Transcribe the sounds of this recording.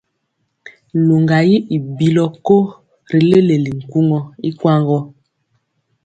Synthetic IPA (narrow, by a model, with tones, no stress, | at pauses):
lo˨ŋɡa˨ji˦ʔi˨bi˨lɔ˦ko˦ | ɾi˨le˦le˨li˨ŋ̩˨ku˦ŋɔ˦i˦kwa˦ŋɡɔ˦